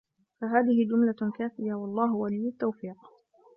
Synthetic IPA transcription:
faɦaːðɪhɪd͡ʒʊmlakaːθɪjawɑlˤːɑːɦʊwaliːjːʊt̪ːawfiːq

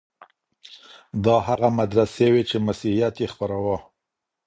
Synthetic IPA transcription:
d̪ɑhaɣamad̪ɾasewet͡ʃemasihijat̪jexpaɾawa

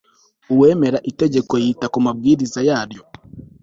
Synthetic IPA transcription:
uwɛmɛɾaʔitɛd͡ʒɛkwɛitakɔmabiðizajadjɔ

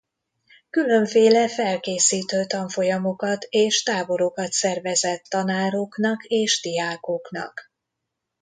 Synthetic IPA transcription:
kylø̞ɱfeːlɛfɛlkeːsiːt̪øːt̪ɒɱfo̞jɒmo̞kɒt̪eːʃt̪aːbo̞ɾokɒt̪sɛrvɛzɛt̪ːɒnaːɾoknɒkeːʃd̪ijaːkoknɒ̰k

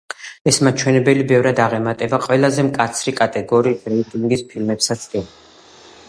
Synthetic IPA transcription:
ɛsmat͡ʃʰwɛnɛbɛlibɛvɾad̪aʁɛmat̪ʼɛbaqʼwɛlˠazɛmkʼat̪sʰɾikʼat̪ʼɛɡɔɾiːɾɛik̪ʼiŋɡispʰilmɛpsat̪sʼd̪ʼɛn

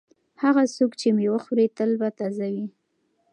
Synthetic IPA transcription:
haɣasukt͡ʃemewəxɾet̪əlbat̪azawi

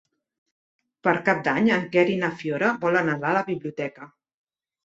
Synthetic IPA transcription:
pəɾkap̚d̪aɲəŋkɛɾinəfjoɾəbɔlənəðaləβiβliut̪ɛkə

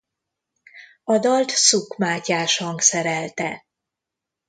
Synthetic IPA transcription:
ɒd̪ɒlt̪sukmaːcaːʃhɒŋksɛɾɛlt̪ɛ

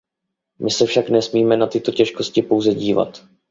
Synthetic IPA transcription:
mɪsɛfʃaknɛsmiːmɛnat̪ɪt̪o̞cɛʃko̞scɪpo̞wzɛɟiːva̰t̪

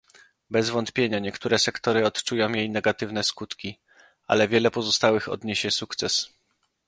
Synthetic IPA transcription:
bɛzvɔnt̪pʲjeɲaɲɛkt̪uɾɛsɛkt̪ɔɾɘɔt̪t͡ʂujɔ̃w̃jejnɛɡat̪ɘvn̪ɛskut̪kʲi | ʔa̰lɛvʲjɛlɛpɔzɔst̪awɘxɔ̰d̪ɲeɕɛsukt̪sɛs

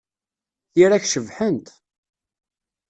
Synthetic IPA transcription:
iɾæçʃəvħənt̪

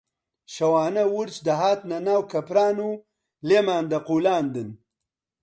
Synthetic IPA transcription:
ʃɐwaːnɐwuɾt͡ʃd̪ɐɦaːt̪nɐnaːwkɐpɾaːnu | lemaːnd̪ɐquːlaːnd̪ɨn

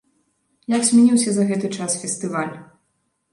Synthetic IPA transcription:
jaksʲmʲɛnʲiwsʲɐzɐɣɛt̪ɨt͡ʂasfʲɛst̪ɨvalʲ

